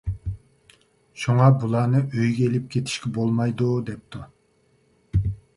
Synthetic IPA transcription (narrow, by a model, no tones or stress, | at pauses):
ʃuŋɑbulˠɑːnɨʔøjɡʲɛelɪp̚kʲʰet̪ʰi̥ʃkʲɛbolˠmɑjd̪ud̪ɛp̚t̪ʰu